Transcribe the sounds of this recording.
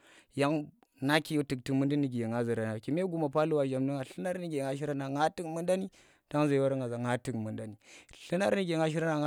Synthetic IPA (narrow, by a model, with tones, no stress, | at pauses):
ja˦ŋ | na˦ki˦˨jo˦ti˨k̚ti˨mu˦ndi˦ni˨ɡʲi˨jŋa˦zi˨ɾa˨na˨ki˨me˦ɡu˦ma˨pa˦lu˦wa˨ʒa˨mdu˦ŋa˨ɬɨ˦na˦ɾni˦ɡʲe˨ŋa˨ʃ̬i˦ɾa˦na˨ŋa˦ti˦kmu˦nda˦ni˦ | d̥a˦ŋza˨jwa˦ɾə˦ŋa˨za˨ŋa˦ti˨kmu˨nda˦ni˨ɬi˦na˦ɾni˦ɡʲe˨ŋa˦ʃ̬i˦ɾa˦na˨ŋ˦